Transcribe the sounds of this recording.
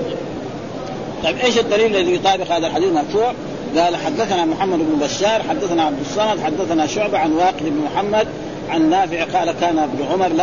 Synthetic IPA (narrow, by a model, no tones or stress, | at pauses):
t̪ˤɑjibʔeːʃad̪ːaliːllːalit̪ˤɑːbɪqhaːd̪alħad̪iːθmɑɾˤfuːʕ | ɡaːlħad̪ːaθnamʊħamːad̪ɪbnubaʃːɑːɾˤħad̪ːaθnaʕab̚d̪usˤːɑnɑd̪ħad̪ːaθnaʃʊʕbaʕanwaːqɪd̪ɪbnmʊħamːad̪ | ʕanːaːfiʕɪqɑːʔlakaːnbnʕʊmɑɾˤla